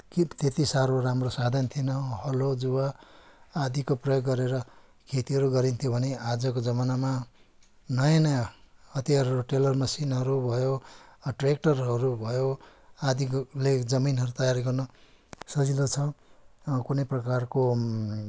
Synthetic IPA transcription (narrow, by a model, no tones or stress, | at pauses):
kit̪et̪isaɾoɾamrosad̪ʱʌnt̪ʰienʌɦʌlod͡zuwaː | d̪ikoprʌjoɡːʌɾeɾʌ | kʰet̪iɦʌɾuɡʌɾint̪ʰjobʱʌnead͡zʌkod͡zʌmanama | nʌjãnʌjaʌt̪jaɾoʈelʌrmʌsinɦʌɾubʱʌjoʈrek̚ʈʌrɦʌɾubʱʌjo | ad̪iled͡zʌminɦʌɾut̪ʌjaɾɡʌrnʌ | sʌd͡zid̪ot͡sʰʌ | kunʌprʌkarko